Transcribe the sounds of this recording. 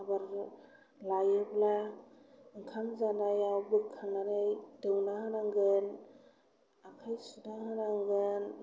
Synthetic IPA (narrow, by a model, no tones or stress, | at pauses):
abaɾ | lajɯbla | ɯŋkʰamzanajawbɯkʰːaŋnaɾɯjdɯwnahɯnaŋɡɯn | akʰajsunahɯnaŋɡɯn